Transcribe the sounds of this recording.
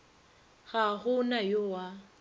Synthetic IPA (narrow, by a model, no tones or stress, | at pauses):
ɣaɣʊnajʊwa